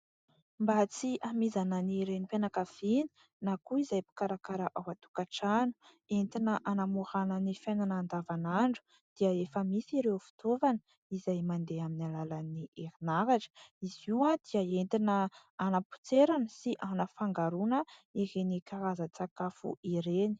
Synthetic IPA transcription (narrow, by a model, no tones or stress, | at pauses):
mbat͡siʔamizananiɾenipenakav̥inə̥ | nakuizajpi̥kaɾakaɾaʔawat̪u̥kaʈ͡ʂanu | ent̪inəʔanamuhanənifajnanaːnd̪avanaɳɖ͡ʐu̥ | d̪̥iəefəmisiɾewfi̥t̪ovanə | izajmand̪eaminalalaniʔeɾinaɾaʈ͡ʂə̥iziwad̪iəent̪inə | anapu̥t͡seɾanəsiʔanəfaŋɡaɾunəeɦenikaɾazat͡sakafṵiɾeni̥